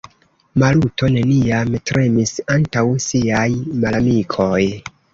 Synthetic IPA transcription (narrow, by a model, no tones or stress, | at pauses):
malutʰo̞ne̞niamtɾe̞misantawsiajmalamikʰo̞j